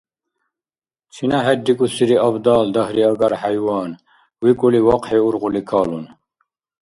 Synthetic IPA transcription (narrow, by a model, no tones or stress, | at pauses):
t͡ʃʰinɐɦed̪ikusiɾiɐbd̪ɑːld̪ɐɦɾiɐɡɐɾhajwɑːn | wikuliwɐqheuɾʁulikʰɑːlun